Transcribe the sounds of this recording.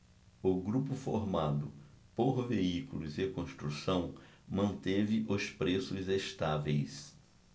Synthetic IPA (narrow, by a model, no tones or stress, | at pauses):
ʊɡɾupʊfoɾmad̪ʊ | poɾveikulʊzekõst̪ɾusɐ̃w̃ | mɐ̃nt̪evɪʔʊspɾesʊzest̪avḛjs